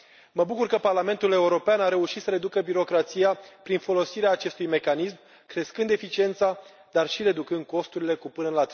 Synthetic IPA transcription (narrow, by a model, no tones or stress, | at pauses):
məbukurkəparlame̞nt̪ule̞uɾo̞peanaɾe̞uʃit̪səɾe̞d̪ukəbiɾo̞kɾat̪sijapɾinfo̞lo̞siɾeaːt͡ʃe̞st̪ujme̞kanism | kɾe̞skɨnd̪e̞fit͡ʃie̞nt̪sa | d̪arʃiɾe̞d̪ukɨnd̪̚ko̞st̪uɾile̞kupɨnəlat̪